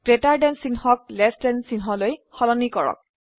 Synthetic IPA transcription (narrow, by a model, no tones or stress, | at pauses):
ɡ̥ɹetaɹdɛnsinhɔk̚lɛsdɛnsinɦɔlojxɔlɔnikɔɹɔ̰k̚